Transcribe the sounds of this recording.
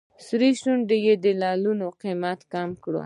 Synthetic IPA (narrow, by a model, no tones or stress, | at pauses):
sɾiʃuɳɖejed̪əlɑlunoqimat̪kɑmkɽo̰